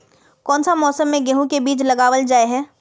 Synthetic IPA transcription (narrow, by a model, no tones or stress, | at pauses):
kɔːnsamɔːsəmːẽɡɛɦũkebiːt͡ʃlɐɡaːʋəld͡ʒaːeɦɛː